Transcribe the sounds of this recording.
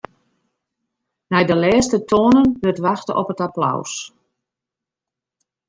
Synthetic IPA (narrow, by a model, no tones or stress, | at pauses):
nɛjdəlɛːstətʰoənənʋɵtʋaxtəʔɔ̰pətapla̰ws